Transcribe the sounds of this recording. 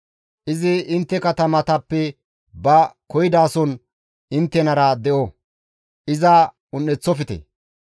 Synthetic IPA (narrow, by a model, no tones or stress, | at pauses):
ʔɪzɪɪnt̪ːɛkɐt̪ɐmɐt̪ɐpːɛ | bɐkɔjɪd̪aːsɔn | ɪnt̪ːɛnɐɾɐd̪ɛʔɔ | ʔɪzɐ | ʊnːɛt͡sːɔfɪt̪ḛ